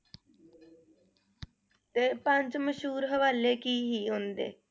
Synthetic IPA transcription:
t̪eːpəɲt͡ʃməʃɦuːɾɦəʋaːleːkiːɦiːɦõnd̪ḛː

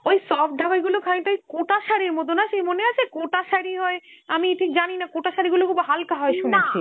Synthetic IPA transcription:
ojsɔf̚d̪ʱaɡojɡulokʰaiʈajkoʈaʃaɾiɾmot̪̬onaʃejmoneat͡ɕʰekoʈaʃaɾiɦɔe | amiʈʰikd͡ʑaninakoʈaʃaɾiɡulokubaɦalkaɦɔeʃunet͡ɕʰe

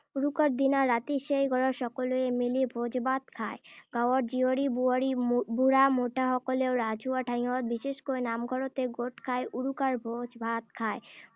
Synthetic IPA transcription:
uɾukaɾd̪inaɾːat̪iʃejɡʱɔɽoɾʃɔkoloemilibʱod͡ʑʱbad̪̚kʰaeɡawaɾd͡ʑioɾiɾibuɾamoʈaɦɔkoleoɾad͡ʑuaʈʰaĩot̪̚biʃeʃkojnamɡʱɔɾot̪eɡoʈkʰaeʔuɾukaɾbʱod͡ʑbat̪̚kʰae

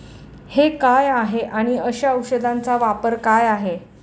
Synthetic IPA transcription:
hekajaɦeʔaɽ̃iəɕaəwɕəd̪ʱant͡saʋapəɾkajaɦe

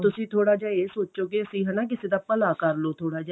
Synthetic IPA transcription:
t̪ʊsĩːt̪ʰoːɽaːd͡ʒaːeːsoːt͡ʃoːkeːəsĩːɦɛnaːk̬ɪseːd̪aːpəlaːkəɾloːt̪ʰoːɽaːd͡ʒː

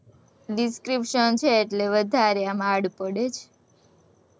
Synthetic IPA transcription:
ɖiskɾipʃənt͡ʃʰeːʈleʋəd̪ʱaɾeamaɽpəɽet͡ʃʰ

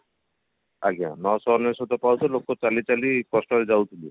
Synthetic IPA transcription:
a̰ɡia̰nɔsɔnɔsɔt̪ɔpawtʰɔlokːɔt͡ʃalit͡ʃalikɔsʈɔɾed͡ʒawt̪ʰili

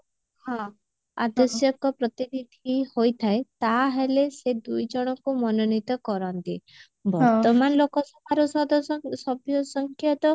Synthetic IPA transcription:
hɔ̃ | a̰d̪ɔsjɔkɔpɾɔt̪inid̪ʱihojt̪ʰaet̪aɦelesed̪ujd͡ʒɔɽ̃ɔkumɔnɔnit̪ɔkɔɾɔnt̪i | bɔɾt̪ɔmanɔlokɔsɔbʱaɾɔsɔd̪ɔsɔbʱjɔsɔŋkʰjɔt̪ɔ

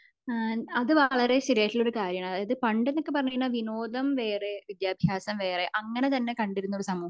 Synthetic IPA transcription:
ɐðɨʋɐɭɐreɕiɾeːtːiloɾukaːɾjɐɳaaːɐðɨpɐɳɖenːokːe̞pɐrɐɲːinːaːʋinoːd̪ɐmʋe̞ːre̞ʋid̪jaːbʱjaːsɐmʋe̞ːreʔɐŋːɐne̞t̪ɐnːekɐɳɖiɾunːoɽusɐmuːɐ

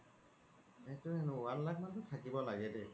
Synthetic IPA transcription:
ɛtʊɛlʊallak̚mantʊtʰakibɔlaɡɛdɛ

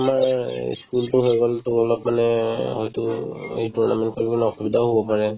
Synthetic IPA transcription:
amaɹ̰skultʊɦojɡɔltulɔlɔpmanɛɦɔjtʊituɹna̰mɛnt̚koɹibɔnɔxubidʱaɦobɔpaɹɛ

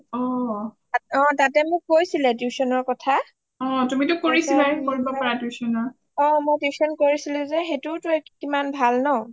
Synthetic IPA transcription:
ɔ | aɔ̃tatɛmʊk̚ːojsilɛdjusɔnɔɹkɔtʰa | ɔ̃tumitʊkoɹisilakoɹibɔpɔɹadjusɔnɔɹ | ɔ̃mojdjusɔnkoɹisilɛzɛxetʊtɔjkimanbʱalnɔʊ

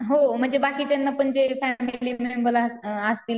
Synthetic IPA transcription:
ɦom̤əɳd͡ʑebakiːt͡ɕenːapəɳd͡ʑefæmiliːmeunbəlaəst̪il

